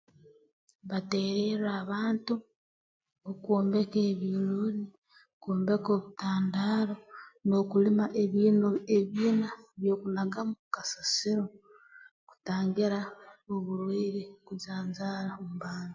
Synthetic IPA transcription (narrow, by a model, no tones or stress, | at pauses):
βateɾeɾaːβaːntu | okoːmbe̞keːβiloni | koːmbeko̞ːβutaːndaːɾo̞no̞ːkulimaʔeβineβiːnaβjo̞ːkunaɡamukasasiɾo̞ | ku̥taːŋɡiɾaoβuɾwiːɾikuzaːnzaːɾaomuβaːni